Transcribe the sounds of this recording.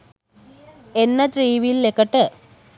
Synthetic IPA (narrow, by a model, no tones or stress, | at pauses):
enːət̪ɾiːʋilːekəʈə